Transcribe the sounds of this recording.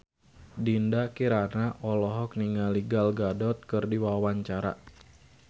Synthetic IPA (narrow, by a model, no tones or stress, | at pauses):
dindakiɾanaʔɔlɔɦɔk̚niŋaliɡalɡadɔt̪̚kɨrdiwawaɲt͡ʃaɾa̰